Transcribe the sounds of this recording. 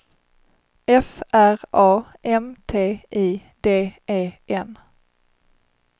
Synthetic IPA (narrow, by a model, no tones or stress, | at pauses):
ɛfʔæɾʔɑːʔɛmt̪ʰeːʔiːd̪eːeːʔɛn